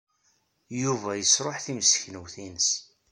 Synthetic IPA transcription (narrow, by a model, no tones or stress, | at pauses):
juvæjəsɾˤoħθimsə̥çnəwθinəs